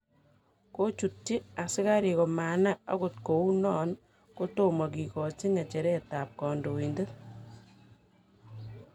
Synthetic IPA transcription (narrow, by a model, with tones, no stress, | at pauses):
ko˦t͡ʃu˨tːi˦a˨sɪ˦ka˦ɾi˨ko˨ma˨na˦a̰˦ko˨t̚ko˨u˦nɔ˦n | ko˦to˦ma˨k̬i˨kɔ˨t͡ʃi˦ŋɛ˨t͡ʃɛ˨ɾɛ˦ta˨p̚kɔ˨ndo˨i˨nde˦